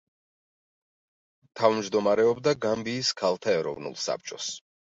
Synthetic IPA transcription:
t̪ʰavmd͡ʒd̪ɔmaɾɛɔbd̪aɡambiːskʰalˠt̪ʰaɛɾɔ̰vnṵlˠsa̰p̚t͡ʃʼɔs

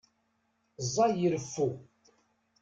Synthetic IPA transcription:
zˤːɑjiɾəfːu

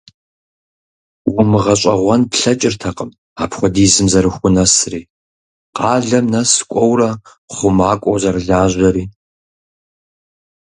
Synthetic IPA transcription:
wʊmɨʁɐɕʷʼɐʁʷɔnpɬɐt͡ʃʼɪrtʰɐqəm | aːpʰxʷɔdiːzɨmzɐɾɨxʷʊnɐsriː | qɑːɮɐmnɐskʷʼɔwrɐ | χʷʊmaːkʷʼɔwzɐrɨɮaːʑɐɾiː

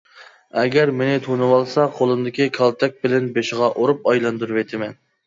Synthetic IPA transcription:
ɛɡʲɛɾmenɪt̪ʰonɨwɑlˠsɑqʰolˠɨmd̪ɪkʲikʰɑlˠt̪ʰɛk̚ʲbɪlɛnbeʃɪʁɑʔoɾup̚ɑjlˠɑnd̪uɾuwet̪ʰɪmɛn

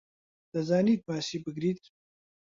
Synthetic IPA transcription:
d̪̥ɐzaːniːt̪̚maːsiːbɨɡɾiːt̪̚

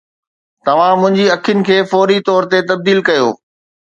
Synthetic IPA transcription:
t̪ɐʋ̤ãmʊ̃ɦɪ̃ɲd͡ʑiɐkʰjʊnɪ̆kʰeːfɔːɾit̪ɔːɾt̪et̪ɐb̚d̪iːlkɐjo̰ː

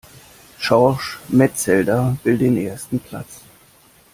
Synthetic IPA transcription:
ʃɔʃmɛtt͡sɛldɐv̥ɪltd̥eːnʔeːɐstn̩pʰl̥a̰t͡s

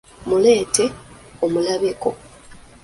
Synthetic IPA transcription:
mule̞ːte̞ | omulaβeko̞

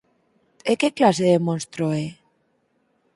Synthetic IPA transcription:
ekeklaseðemonst̪ɾoe

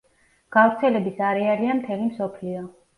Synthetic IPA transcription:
ɡ̥avɾt̪sʰɛlɛbisaɾɛaɾiamt̪ʰɛlimsɔpʰliɔ

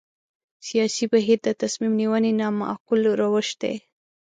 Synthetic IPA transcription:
sijɑsibaɦiɾd̪ət̪asmimniwəninɑmaa̰qʊlɾawəʃd̪ḛ

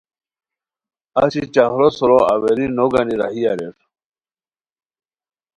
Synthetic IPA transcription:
aɕit͡ɕahɾosuɾoaweɾinoɡaniɾa̰ɦiaɾeɾ

